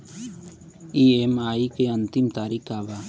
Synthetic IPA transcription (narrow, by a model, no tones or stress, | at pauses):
iemaːikeənt̪ɪmt̪aːɾikʰaːʋa